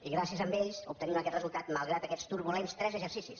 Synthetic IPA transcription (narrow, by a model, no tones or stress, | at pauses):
iɣɾasiəzəmbeʎsup̚t̪əninəkɛt̪rəzulˠt̪at̪məlˠɣɾat̪əkɛt͡st̪uɾβulenst̪ɾɛzəʒəɾsisis